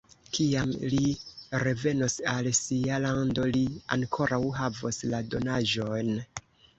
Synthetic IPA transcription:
kiamliɾe̞ve̞no̞salsialando̞lia̰ŋkʰo̞ɾawɦavoslado̞naʒo̞jn

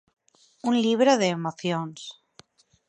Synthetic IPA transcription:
unʎiβ̞ɾəðeːmoθjons

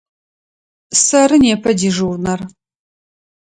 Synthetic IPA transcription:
sɐɾɨneːpʰɐdiʐuwrnɐr

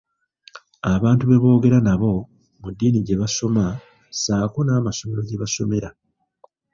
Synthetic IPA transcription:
aβaːntuβe̞βo̞ːɡe̞ɾanaβo̞ | mudːiːniɟe̞βaso̞ma | saːkunaːmaso̞me̞ɾo̞ɟe̞βaso̞me̞ɾa

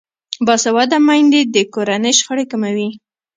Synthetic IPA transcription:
bɑsawɑd̪amajnd̪ed̪əkoɾanəjʃxəɽekamawi

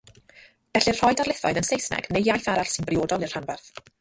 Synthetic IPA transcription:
ɡ̥ɛɬɪr̥ɔjdarlˠɪθɔɨðənsejsnɛ̰ɡ̥nejjajθaɾaɬsɪnbrɪoːdɔlˠir̥anvɛrθ

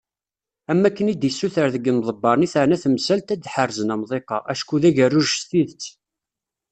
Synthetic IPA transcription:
æmːækːənid̪jəsːuθəɾðəɡːənðˤəbːɑɾˤniθəʕnæθəmsælt̪æd̪ːħərzənæmðˤeqɑ̰ʔæʃkuðæʝærːʊʒst̪iðt͡sː

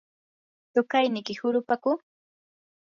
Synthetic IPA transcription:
t̪ʊkajnɪkɪhʊɾʊpakʊ

